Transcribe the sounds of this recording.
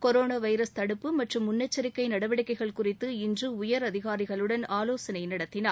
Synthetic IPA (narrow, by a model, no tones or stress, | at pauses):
kɔɾoːnaːʋɐɪɾɐst̪ɐɽɯpːɯmɐʈrɯmːʊnːɐt͡ʃːɐɾɪkːɐɪnɐɽɐʋɐɽɪkːɐɪɣɐɭkʊrɪt̪ːɯɪndrɯʊjɐɾɐðɪɣaːɾɪɣɐɭɯɽɐnaːloːsɐnɐɪnɐɽɐt̪ːɪnaː